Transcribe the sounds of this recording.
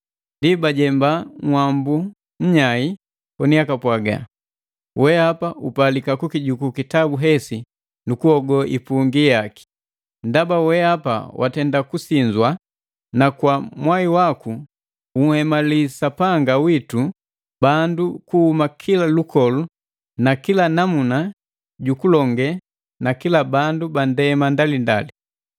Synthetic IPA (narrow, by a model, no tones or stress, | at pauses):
ndibaɟɛmbaŋwambu | ɲ̩ɲai | kɔniakapwaɡa̰ | wɛapaʔupalikakukiɟukukitabuɦɛsi | nukuhɔɡɔʔḭpuŋɡijaki̥ | ndabawɛapa̰wʔa̰tɛndakusiɲd͡ʒwa | nakwamwaiwaku | uŋ̩hɛmalisapaŋɡawitu | bandukuhumakʰilalukɔlu | nakilanamuna | ɟukulɔŋɡɛ | nakilabandubandɛmandalinda̰li